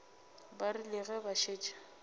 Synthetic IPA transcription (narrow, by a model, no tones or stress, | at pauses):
barilɪɣɛbaʃeːt͡ʃʼḁ